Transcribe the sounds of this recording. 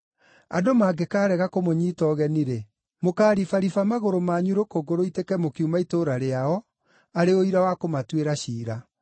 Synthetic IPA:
a̰domaɡekaːɾɛɣakomoɲiːtɔɣɛniɾɛ | mokaːɾifaɾifamaɣoɾomaɲuɾokoɡoɾoitekɛmokiumaitoɾaɾeaɔ | aɾeoiɾawakomatweɾaɕiːɾa

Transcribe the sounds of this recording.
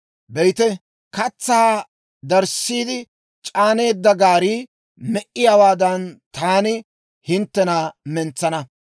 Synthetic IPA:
bɛjt̪ɛ | kɐt͡sːaː | d̪ɐɾsːiːd̪ɪ | t͡ʃʼaːne̞ːd̪ːɐɡaːɾi | mɛʔɪjaːwaːd̪ɐnt̪aːnɪ | hɪnt̪ːɛnamɛnt͡sːɐnɐ

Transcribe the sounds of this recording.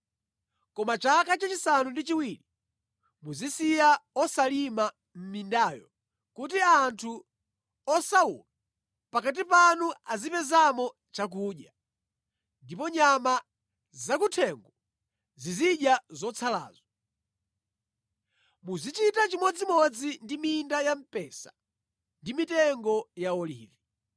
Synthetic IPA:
kɔmat͡ʃakat͡ʃat͡ʃisanundit͡ʃiwiɾi | muzisijaɔsalima | m̩mindaːjɔ | kut̬iantʰu | ɔsaṵla | pakat̬ipanuazipɛzamɔ | t͡ʃak̬uːɗja | ndipɔɲama | zakutʰɛŋɡɔ | ziziɗjazɔt͡sʰala̰ːzɔ | muzit͡ʃitat͡ʃimɔd͡zimɔd͡zindimindajam̩pɛsa̰ | ndimitɛŋɡɔjaɔlḭːvi

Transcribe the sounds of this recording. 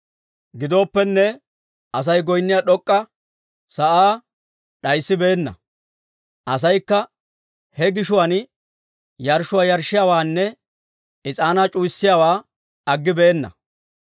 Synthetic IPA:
ɡɪd̪o̞ːpːɛnːɛ | ɐs̬ɐjɡɔjnːɪjaɗɔkʼːɐ | sɐʔaː | ɗɐjsːɪbe̞ːnːɐ̰ | ʔɐs̬ɐjkːɐ | hɛɡɪʃʊwɐn | jɐɾʃʊwaːjɐɾʃːɪjaːwaːnːɛ | ɪt͡sʼaːnat͡ʃʼuːjsːɪjaːwaː | ɐɡːɪbe̞ːnːɐ̰

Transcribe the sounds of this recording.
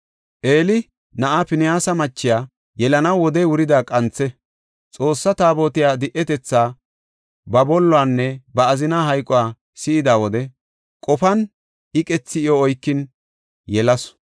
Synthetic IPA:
ʔe̞ːlɪ | nɐʔapɪnɪjaːsɐmɐt͡ʃːɪjaː | jɛlɐnɐwwɔd̪ɛjwʊɾɪd̪aːkʼɐnt͡sːɛ | t͡sʼo̞ːsːɐt̪aːboːt̪ɪjaːd̪ɪʔɛt̪ɛt͡sːaː | bɐbɔlːɔaːnːɛbɐːzɪnaːɦɐjkʼːɔwaː | sɪɪd̪aːwɔd̪ɛ | kʼɔfɐn | ʔɪkʼɛt͡sːɪɪjɔːjkːɪn | jɛlɐs

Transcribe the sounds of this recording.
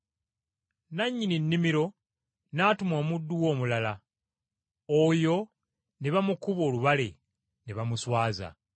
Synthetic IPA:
naɲːininːimiɾo̞ | naːtumo̞ːmudːuwo̞ːmulala | ojo̞ | ne̞βamukuβo̞ːluβale̞ | neβamuswaːza̰

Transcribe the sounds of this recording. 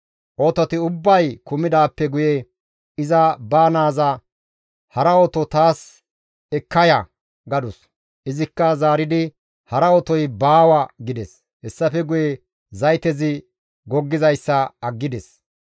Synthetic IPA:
ʔoːt̪ɔt̪ɪʊbːɐjkʊmɪd̪aːpːɛɡʊjɛ | ɪzɐbaːnaːzɐ | hɐɾɐɔt̪ɔt̪aːs | ɛkːɐjɐ | ɡɐd̪ʊs | ʔɪzɪkːɐzaːɾɪd̪ɪ | hɐɾɐɔt̪ɔjbaːwɐɡɪd̪ɛs | hɛsːɐfɛɡʊjɛ | zɐjt̪ɛzɪ | ɡɔɡːɪzɐjsːɐɐɡːɪd̪ɛs

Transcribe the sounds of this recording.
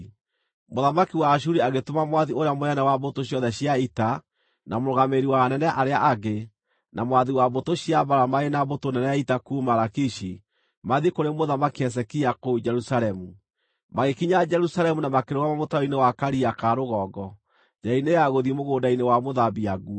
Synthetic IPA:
moðamakiwaʃ̬uɾiaɣetomamwaðioɾeamoɛnɛwaβotoɕjɔðɛɕjaita | namoɾoɣameɾiwanɛnɛʔaɾeaʔaɡe | nʔamwaðiwabotoɕiabaɾamaenabotonɛnɛaitakumaɾakiʃi | maðikoɾemoðamakiɛs̬ɛkiakod͡ʒɛɾusaɾɛmu | maɣekiɲad͡ʒɛɾusalɛmunamakeɾoɣamamotaɔinewakaɾiakaɾoɣɔːɡɔ | d͡ʒainejaɣoðimoɣoːndainewamoðabiaɡu

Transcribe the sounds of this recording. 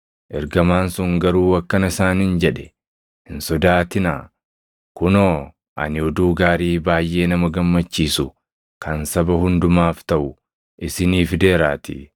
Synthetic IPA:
ʔɛɾɡɐmaːnsʊŋɡɐɾuːɐkːɐnɐɪsaːnɪnd͡ʒɛᶑɛ̥ | hɪnsɔd̪aːt̪ɪna̰ː | kʊnoː | ʔɐ̰nɪɔd̪uːɡaːɾiːbaːjʔe̞ːnɐmɐɡɐmːɐt͡ʃːiːsʊ | kɐnsɐbɐhʊnd̪ʊmaːft̪ɐʔʊ | ʔɪsɪniːfd̪e̞ːɾaːt̪ɪ̰

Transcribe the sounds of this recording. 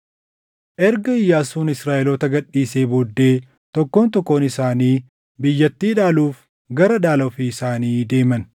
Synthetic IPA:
ʔɛɾɡɐɪjːaːsuːnɪsɾaːʔɛlɔt̪ɐɡɐᶑiːse̞ːbod̪ːe̞ː | t̪ɔkːoːnt̪ɔkːo̞ːnɪsaːniː | bɪjːɐt̪ːiːᶑaːluːf | ɡɐɾɐᶑaːlɐɔfiɪsaːniːd̪e̞ːmɐn

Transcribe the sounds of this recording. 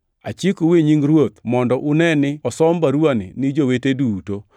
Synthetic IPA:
a̰t͡ʃikoweɲiŋɾwot̪mɔndɔʔʊnɛnɪɔsɔmbaɾwanɪ̰nɪd͡ʒoweteduːto

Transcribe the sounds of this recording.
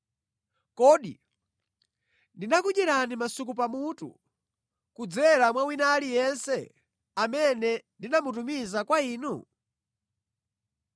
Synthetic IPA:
kɔɗḭ | ndinakuʄɛɾanimasuk̬upamutṵ | kud͡zɛɾamwawinalijɛnsɛ | amɛnɛndinamut̬umizakwaiːnu

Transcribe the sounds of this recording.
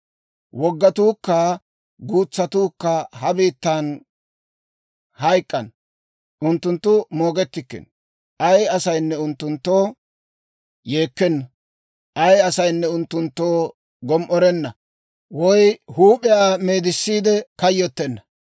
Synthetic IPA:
wɔɡːɐt̪uːkːaː | ɡuːt͡sːɐt̪uːkːɐhɐbiːt̪ːaːn | hɐjkʼːɐn | ʔʊnt̪ːʊnt̪ːʊmo̞ːɡɛt̪ːɪkːɛ̰n | ʔɐjɐsɐjnːɛʊnt̪ːʊnt̪ːo̞ː | je̞ːkːɛnːɐ | ʔɐjɐsɐjnːɛʊnt̪ːʊnt̪ːoː | ɡɔmʔɔɾɛnːɐ | wɔjhuːpʼɪjaːme̞ːd̪ɪsːiːd̪ɛkɐjːɔt̪ːɛnːɐ

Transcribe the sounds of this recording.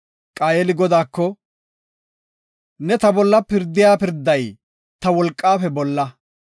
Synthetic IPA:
kʼaːjɛlɪɡɔd̪aːkːɔ | nɛt̪ɐbɔlːɐpɪɾd̪ɪjaːpɪɾd̪ɐj | t̪ɐwɔlkʼːaːfɛbɔlːɐ

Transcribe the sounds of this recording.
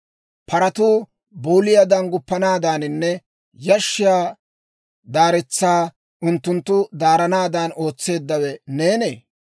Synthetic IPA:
pɐɾɐt̪uː | boːlɪjad̪ɐnɡʊpːɐnaːd̪aːnɪnːɛ | jɐʃːɪjaː | d̪aːɾɛt͡sːaː | ʔʊnt̪ːʊnt̪ːʊd̪aːɾɐnaːd̪aːno̞ːt͡sːe̞ːd̪ːɐwɛne̞ːneː

